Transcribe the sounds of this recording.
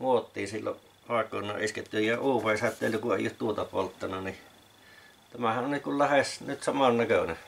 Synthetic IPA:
muot̪ːiːsilːo̰ʔ | ʔɑˑekˑo̰ːˑnːˑɑ̰ʔʔisket̪ːyjjɑuːʋɑˑishæt̪ːˑḛˑlːykuʔʔḛˑijˑoˑtt̪uot̪ɑpo̰lt̪ːɑnɑni | t̪æmæhæʔʔonikullæhesnyt̪sɑmɑnnækøne

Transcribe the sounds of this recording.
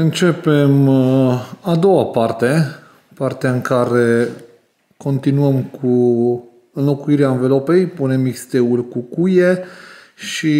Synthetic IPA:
ɨnt͡ʃe̞pe̞m | ad̪o̞wapart̪e̞ | part̪eaɨŋkaɾe̞ | ko̞nt̪inuəmkʰu | ɨnlo̞kuiɾeaɨnvəlo̞pe̞jpune̞mːikst̪e̞ulʲkukuje̞ | ʃi

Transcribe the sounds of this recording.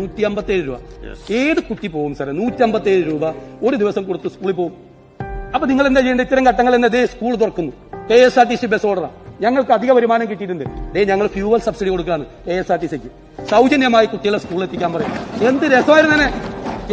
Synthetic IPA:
uːtʲːiɐmbɐt̪ːeːɾuɾuːbɐ̰eːðɨkuʈːipo̞ːɣumsɐɾɐnuːtʲːiɐmbɐt̪ːeːɾuɾuːbɐo̞ɾud̪iʋɐsɐmkoɽut̪ːɨskuːɭipo̞ːɣum | ɐpːoniŋːɐɭe̞nd̪et͡ɕejɐɳɖɐit̪ːɐɾɐmkɐʈːɐŋːɐɭend̪ɐðeskuːɭt̪̬urɐkːunːu | keesaːʈ̬ːisibesoːɽɐra̰ːɲɐŋːɐɭkɨɐd̪ʱiɣɐpɐɾimaːnɐmkiʈːijiʈ̬ːunɖ̪ɨd̪eɲɐŋːɐɭfjuːʋɐlsɐbsiɽiko̞ɽukːaːɳɨkeːesaːʈ̬ːisekʲːu | sɐwd͡ʑɐnjɐmaːjikuʈːijɐɭːeskuːɭiɭet̪ːikʲːaːnpɐrɐja̰me̞nd̪ɨɾesɐmaːjiɾnɐt̪ɐnːe

